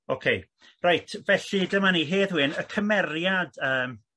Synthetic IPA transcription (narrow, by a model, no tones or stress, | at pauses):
okʰej | rajtʰvɛɬidəmaniɦeːðwɨnəkʰəmɛrjadəːm